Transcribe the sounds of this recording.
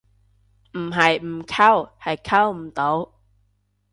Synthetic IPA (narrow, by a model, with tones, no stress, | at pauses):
m̩˨˩ɦɐ˨jm̩˨˩kʰa˥whɐ˨jkʰɐ˥wm̩˨˩t̪o˨˥w